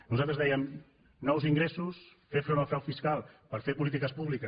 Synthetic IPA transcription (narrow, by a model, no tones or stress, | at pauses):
nuzalˠt̪ɾəzðɛjəm | nɔwziŋɡɾesus | fefɾonalfɾawfiskalˠpəɾfepulit̪ikəspuβlikə